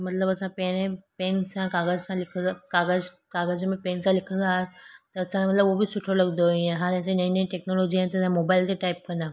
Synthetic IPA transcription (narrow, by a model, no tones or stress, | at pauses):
mɐt̪ləbɐsãpẽnẽpeːnsãkaːɡəd͡ʑsãlɪkʰəakaːɡəd͡ʑ | kaːɡəd͡ʑmẽpeːnsãlɪkʰə̃nd̪aːɦet̪ɐɐsãmɐt̪ləbobɪsʊʈʰolɐɡnd̪oĩẽɦaːɾɛ̃sãnɐ̃ĩnĩʈeːknoloːd͡ʑiãt̪ɐsãmoːbaːɪlt̪eʈaːɪp̚kɐ̃nd̪aː